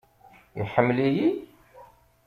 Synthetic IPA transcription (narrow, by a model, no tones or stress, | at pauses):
ḭħəmːliji